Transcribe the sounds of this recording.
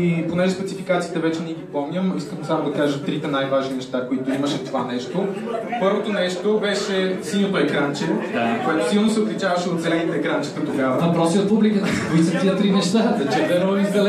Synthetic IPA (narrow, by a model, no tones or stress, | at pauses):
iponɛʒɛspɛt̪sifikat̪sit̪ɛvɛt͡ʃɛniɛɡipɔmnʲəmiskəmsamod̪ɐkaʒɐt̪ɾit̪ɛnajvaʒninɛʃt̪akoit̪ʊiməʃɛt̪ovanɛʃt̪opɤɾvot̪onɛʃt̪obɛʃɛsinot̪oɛkɾant͡ʃɛkoɛt̪ʊ̥silˠnosɛot̪lʲit͡ʃavəʃɛot̪zɛlɛnit̪ɛːkɾant͡ʃi̥k̪ət̪oɡavəvɐpɾɔsiot̪̚publikət̪əkoisɐt̪iɐt̪ɾinɛʃt̪azɐt͡ʃɛvɛnoɛizd̪ɐl